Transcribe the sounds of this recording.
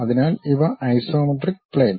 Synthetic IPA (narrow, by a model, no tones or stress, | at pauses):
ɐðinaːliʋɐʔɐjsoːmɐʈrik̚pleːn